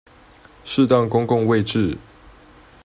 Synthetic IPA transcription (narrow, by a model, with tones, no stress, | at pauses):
ʂɻ̩˥˧t̪ɑ˥˨ŋkʊ˥ŋkʊ˥˧ŋwe˥˨ɪʈ͡ʂɻ̩˥˨